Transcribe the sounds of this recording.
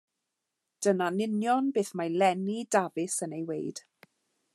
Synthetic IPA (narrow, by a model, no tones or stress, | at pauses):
d̥ənanɪnjɔnbeːθmajlɛnidavɪsənejwejd̥